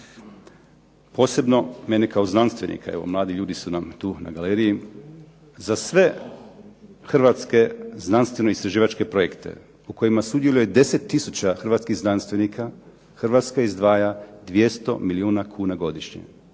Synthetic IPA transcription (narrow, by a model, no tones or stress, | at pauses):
po̞ːse̞bno̞menekao̞znanst̪ʋe̞nʔḭkʰa̰eʋo̞̰mlˠaːd̪iʎuːd̪isunamt̪uːna̰ɡaleːɾiji | zasʋe̞ | xr̩ʋat̪ske̞znanst̪ʋe̞noist̪ɾaʒiːʋat͡ʃke̞pɾo̞jekt̪ḛ | uko̞jimasud̪jelujed̪e̞set̪ːisut͡ɕaxr̩ʋat̪skiɣznanst̪ʋe̞nikʰa | xrʋat̪skaizd̪ʋaːjad̪ʋje̞st̪o̞̰miliuːnakʰuːnaɡo̞d̪iʃɲḛ